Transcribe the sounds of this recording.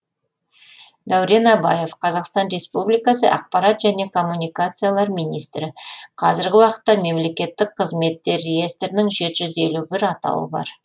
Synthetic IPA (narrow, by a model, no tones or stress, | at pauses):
d̪ɑwɾe̞nɑbɑje̞fqʰɑzɑqst̪ɑnɾe̞spublijkasə̰ʔɑq̚pɑɾat̪ʒæne̞kʰo̞mːunijkat̪sɨjalˠɑɾmijnijst̪ɾɪqʰɑzɪɾɡʲɪwɑqə̥t̪ːɑme̞mle̞kʲe̞t̪ːɪk̚qʰəzme̞t̪ːe̞ɾːeje̞st̪ɾɪnɪŋʒe̞t̪ɪʒʏze̞lubɪɾɑt̪ɑ̰wə̰bɑ̰ɾ